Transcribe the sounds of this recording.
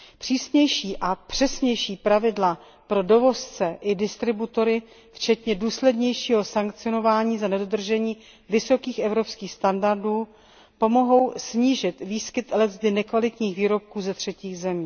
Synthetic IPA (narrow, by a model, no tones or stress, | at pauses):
pr̝̥iːsɲɛjʃiːʔapr̥ɛsɲɛjʃiːpɾavɪdla | pɾo̞do̞vo̞st͡sɛʔɪdɪst̪ɾɪbut̪o̞ɾɪ | ft͡ʃɛt̪ɲɛduːslɛdɲɛjʃiːɦo̞saŋkt͡sɪono̞vaːɲiːzanɛdo̞d̪r̩ʒɛɲiː | vɪso̞kiːxɛvɾo̞pskiːxst̪andaɾduː | po̞mo̞ɦo̞wsɲiːʒɪt̪viːskɪt̪lɛzd̪ɪnɛkvalɪt̪ɲiːxviːɾo̞p̚kuːzɛt̪r̝̥ɛciːɣzɛmiː